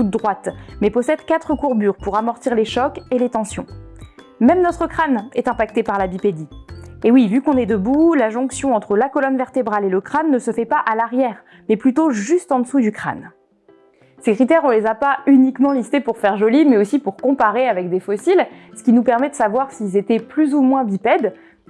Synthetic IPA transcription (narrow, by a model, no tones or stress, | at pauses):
t̪ut̪̚d̪ʁwat̪mɛpɔsɛd̪kat̪χəkuʁbyʁpuʁamɔʁt̪iʁleʃɔkelet̪ɑ̃sjɔ̰̃ | mɛmnɔt̪χəkχanɛt̪ɛ̃pak̚t̪epaʁlabiped̪iewivykɔ̃nɛd̪əbulaʒɔ̃ksjɔ̃ɑ̃t̪χəlakɔlɔnvɛʁt̪ebʁaleləkχanːəsəfɛpaʔalaʁjɛʁ | mɛplyt̪oʒyst̪ɑ̃d̪əsud̪ykχa̰n | sekχit̪ɛʁɔ̃lezapaynikmɑ̃list̪epuʁfɛʁʒɔlimɛosipuʁkɔ̃paʁeavɛk̚d̪efɔsilsə̥kʲinupɛʁmɛd̪əsavwaʁsilzet̪ɛplyzumwɛ̃bipɛd̪